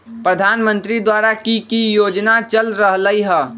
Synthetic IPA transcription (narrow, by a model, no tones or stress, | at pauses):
pɾəd̪ʱaːnmə̃nt̪ɾid̪waːɾakikijoːd͡ʒnat͡ʃəlɾəɦləiɦɛ̃ː